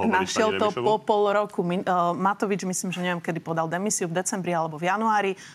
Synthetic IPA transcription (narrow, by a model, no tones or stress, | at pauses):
naʃɪɛlt̪ɔpɔpɔlɾɔkuminmat̪ɔʋid͡ʒmisliːmʒɛɲɛʋɛmkɛd̪ipɔd̪ald̪ɛmisiuvd̪ɛt͡sɛmbɾialɛbɔvjanuaːɾi